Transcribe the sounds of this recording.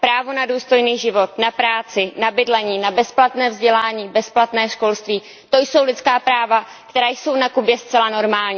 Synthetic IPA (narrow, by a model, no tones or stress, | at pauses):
pɾaːvo̞naduːst̪o̞jniːʒɪvo̞t̪napɾaːt͡sɪnabɪdlɛɲiːnabɛsplat̪nɛːvzɟɛlaːɲiːbɛsplat̪nɛːʃko̞lst̪viː | t̪o̞jso̞wlɪt͡skaːpɾaːva | kt̪ɛɾaːjso̞wnakubjɛst͡sɛlano̞ɾmaːlɲi